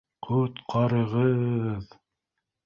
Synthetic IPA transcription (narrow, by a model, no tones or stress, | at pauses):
qʰɵt̪qʰɑɾɤ̆ʁɤð